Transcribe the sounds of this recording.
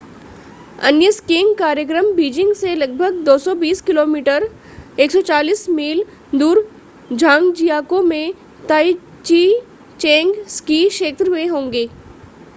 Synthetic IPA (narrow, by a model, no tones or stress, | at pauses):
ɐ̰njəskĩːŋɡkaːɾjək̬ɾəmbiːd͡ʒɪ̃ŋɡselɐɡ̚bʱəɡd̪oːsɔbiːskɪloːmiːʈəɾ | eːksɔːt͡ʃaːliːsmiːl | d̪uːɾ | d͡ʒʱãːŋɡd͡ʒijaːkõmẽ | t̪ai | t͡ʃi | t͡ʃẽːŋɡskiʃeːt̪ɾəmẽɦõːŋɡeː